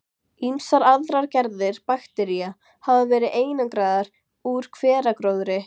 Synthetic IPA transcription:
imsaɾaðɾaɾcɛɾðɪɾ̥paxt̪ɛɾia | havavɛːɾɪeːjnankɾaːðaɾ̥ | uɾ̥kʰv̥ɛːɾakɾoːwðɾɪ

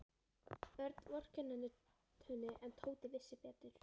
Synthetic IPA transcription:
vɛɾt̪vɔr̥cɛnːanɪ | t̪ʰœːnɪʔɛnt̪ʰoːwt̪ɪvɪsːɪpɛːt̪ʏɾ̥

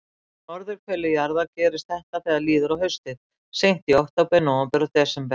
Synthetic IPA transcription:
nɔɾðʏɾkʰvɛːlɪjaɾðacɛːɾɪst̪̚θɛht̪aθɛɣðaliːðʏɾawhœɥst̪ɪð | sejn̥t̪iowht̪awpɛnawapɛɾɔt̪ɛsɛmpɛ

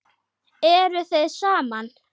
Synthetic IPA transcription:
ɛɾʏθeðsaːman

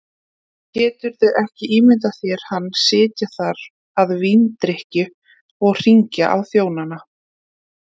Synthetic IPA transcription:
cɛːt̪ʏɾðʏʔɛhcɪʔiːmɪnt̪aθjɛɾ̥hanːsɪːt̪jaθaɾ | aðvint̪ɾehcʏ | ɔɣr̥iɲcaʔawθjoːwnana

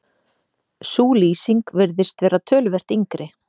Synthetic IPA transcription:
suːliːsiŋkvɪɾðɪst̪vɛːɾaðt̪ʰœːlʏvɛr̥t̪iŋkɾʔɪ

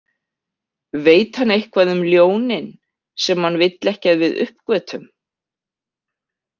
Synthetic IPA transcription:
veːjt̪hanːejhkʰvaːðʏmljoːwnɪn | sɛmhanːvɪjt̪lɛhcaðvɪðʏ̰hpkvœːt̪ʰʏm

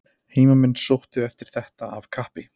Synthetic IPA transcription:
heːmamɪnːsowht̪ʏɛft̪ɪɾ̥θɛht̪aavkʰahpɪ

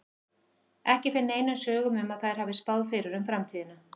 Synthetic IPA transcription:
ɛhcɪfɪnːeːjnʏnsœːɣʏmʏmaðθajɾ̥haːvɪspaðfɪɾʏɾʏmfɾamt̪ʰiːðɪna

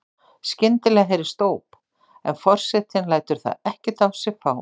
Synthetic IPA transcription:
scɪnt̪ɪlɛɣaɦejɾɪ̥st̪oːwp | ɛ̰nfɔr̥sɛt̪ɪnlaːjt̪ʏɾ̥θa̰ðɛhcɛt̪awsɪɣfaːw

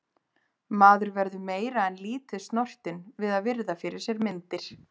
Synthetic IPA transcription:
maːðʏɾvɛɾðʏmeːjɾaɛnliːt̪ɪst̪nɔr̥t̪ɪnvɪðaðvɪɾðafɪɾɪɾ̥sjɛɾmɪnt̪ɪɾ̥

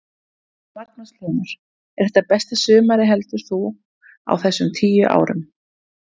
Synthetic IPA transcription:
vaɾt̪̚naslɛːnaɾ̥ | ɛɾ̥θɛ̥t̪ːapɛst̪asʏːmaɾɪɦɛlt̪ʏɾ̥θu | a̰wθɛsːʏmt̪ʰiːjʏʔa̰ːwɾʏm

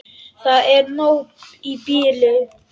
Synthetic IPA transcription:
saɛnoibile

